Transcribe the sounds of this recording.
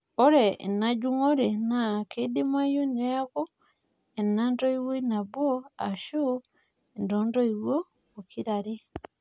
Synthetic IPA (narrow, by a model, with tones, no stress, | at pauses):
o˦ɾɛ˨na˦d͡ʒu˦ŋo˦ɾe˨na˨ke˦de˦ma˦jo˦ne˦a˦ko˦ | e˨nandɔ˦i˦wwo˦ina˨βɔ˦a˨ʃu˦ | e˨ndɔndɔ˦i˨βwo˦ | o˨ki˦ɾa˨ɾe˦